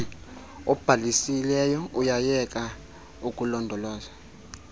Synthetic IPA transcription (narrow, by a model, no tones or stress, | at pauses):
ɔb̥ʱalisilɛjɔujajɛkʼa | ukʼulɔndʱɔlɔːz̥a